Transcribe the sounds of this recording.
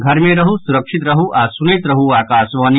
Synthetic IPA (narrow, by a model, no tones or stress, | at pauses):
ɡʱɐɾmeːɾɐɦusuɾɐkʂit̪ɾɐɦuʔaːsuneːt̪ɾɐɦuaːkaːsʋaːni